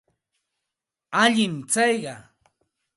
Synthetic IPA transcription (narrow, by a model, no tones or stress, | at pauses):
aʎɪmt͡sɑjɢɑ